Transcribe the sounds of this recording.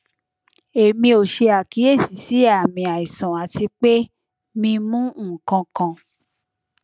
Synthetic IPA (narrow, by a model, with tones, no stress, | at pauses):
e˨mĩ˧o˨ʃe˧a˨ki˨˦e˦˨si˨si˨˦a˨mĩ˧a˨i˨sã˨a˨ti˧k͡pe˦ | mĩ˧mũ˦ũ˦˨kã˧kã˧